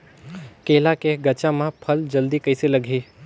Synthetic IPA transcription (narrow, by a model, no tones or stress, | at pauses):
keːlakeɡət͡ʃãmãpʰəld͡ʒəld̪ikəjseləɡʱeː